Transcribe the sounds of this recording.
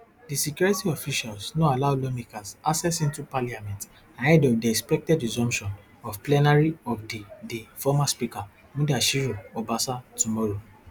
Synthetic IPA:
disikjɔɹitiɔfiʃalsnoalaʊlɔmikasasɛsĩntupaliamɛ̃nt | ãɛdɔvdiɛkspɛk̚tɛdɹizɔ̃mpʃɔ̃n | ɔvplɛnaɹiɔfdidifɔmaspika | mũdaʃiɹoɔbasatumɔɹo

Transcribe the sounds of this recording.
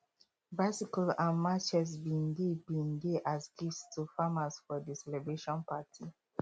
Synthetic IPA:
basikɔlãnmat͡ʃɛs̬bĩndebĩndeʔazɡistʰufamasfɔdisɛlɛbɹeʃɔ̃npatʰi

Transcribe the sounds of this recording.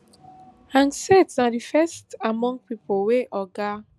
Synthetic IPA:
hãŋsɛtsadifɛstamɔ̃ŋɡ̚pipʰoweʔɔɡa

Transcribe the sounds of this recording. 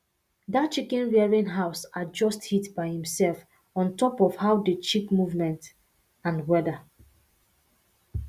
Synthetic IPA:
dat̚t͡ʃikɛ̃nwɛɹĩnɦaʊsad͡ʒɔsthitbaɪhĩmsɛlf | ɔ̃ntɔpɔvhaʊdət͡ʃikmuvmɛ̃nt | ãnwɛdə

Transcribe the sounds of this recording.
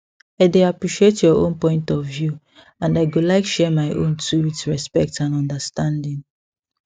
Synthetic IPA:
aɪdeapɹiʃietjɔʔõ̰npɔ̃ɪ̃ntɔvju | ãnaɪɡulaɪkʃɛmaɪʔõ̰ntʰuwiθɹɛspɛk̚tãnɔ̃ndəstãndĩŋ

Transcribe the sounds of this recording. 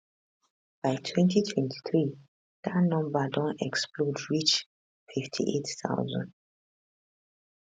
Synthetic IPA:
b̥aɪtʰwɛ̃ntʰitʰwɛ̃ntʰi̥θɹi | d̥atnɔ̃mbadɔ̃nɛksplodɹit͡ʃ | fiftʰḭʔetθa̰ʊzɔ̰̃nd

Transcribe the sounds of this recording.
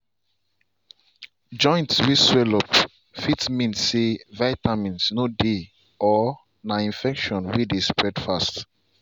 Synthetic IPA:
d͡ʒɔ̃ɪ̃ntswiswɛlɔp | fitmĩnsevaɪtamĩnsnode | ɔ | naĩnfɛkʃɔ̃nwidespɹɛdfast

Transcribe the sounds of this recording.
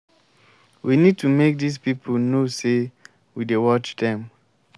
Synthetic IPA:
winid̚tʰumek̚dispipʰəlnose | widewɔt͡ʃdɛ̃m

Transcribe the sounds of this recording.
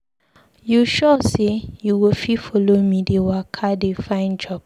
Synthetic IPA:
juʃɔsejuwififɔlomĩdewakʰadefãɪ̃nd͡ʒɔp̚

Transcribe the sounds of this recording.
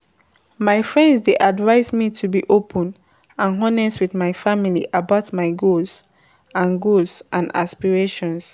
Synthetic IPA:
maɪfɹɛ̃ndsdeʔadvaɪsmitʰubiʔopʰə̃n | ãnɦɔnɛswiθmaɪfamiliʔabaʊtmaɪɡoz | ãnɡosʔãna̰spiɹeʃɔ̃ns

